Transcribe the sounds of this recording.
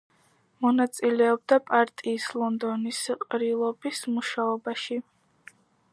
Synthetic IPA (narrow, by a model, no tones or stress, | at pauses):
mɔnat̪sʼilɛɔb̚d̪apʼaɾt̪ʼiːslˠɔnd̪ɔnisqʼɾilˠɔbismuʃaɔbaʃi